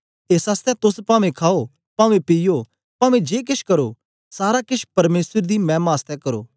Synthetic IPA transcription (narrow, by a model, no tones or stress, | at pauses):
eːsaːst̪ʰɛt̪ʊspãːʋẽkʰaːo | pãːʋẽpijo | paːʋẽd͡ʒeːk̬ɪʃkɐɾoː | saːɾakɪʃpɐɾmeːsəɾd̪iːmɛ̃ːmaːst̪ʰɛkɐɾo̰ː